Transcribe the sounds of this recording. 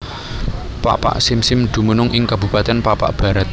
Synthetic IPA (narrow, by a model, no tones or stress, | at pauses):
pa̰pa̰ʔsɪmsɪmd̪̥ṳmunʊŋʔɪŋkabṳpat̪ɛnpapa̰ʔb̥a̤ɾat̪̚